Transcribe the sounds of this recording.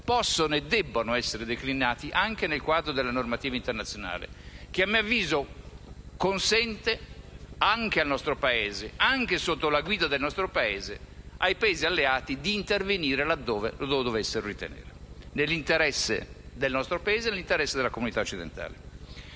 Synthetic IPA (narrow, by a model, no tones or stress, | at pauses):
pɔsːonoɛd̪ːɛbːonoɛsːeɾed̪eklinaːt̪iʔaŋk̟enelkwad̪ɾod̪elːanormat̪iːvaint̪ernat̪sjona̰ːlḛk̟eamːiavːiːzo | konsɛnt̪e | aŋk̟ealnɔst̪ɾopaeːzeaŋk̟esot̪ːolaɡwiːd̪ad̪elnɔst̪ɾopaeːzḛajpaeːzialːeaːt̪id̪iːnt̪erveniːɾelad̪ːɔːvḛlod̪od̪ovɛsːeɾorit̪ḛnḛːɾenelːint̪eɾɛsːḛd̪elnɔst̪ɾopaeːzenelːint̪eɾɛsːed̪elakomunit̪aot͡ʃːid̪ḛnt̪a̰ːle